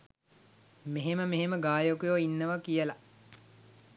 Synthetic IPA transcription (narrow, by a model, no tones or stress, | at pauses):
meɦeməmeɦeməɡaːjokujoːinːəʋakijəla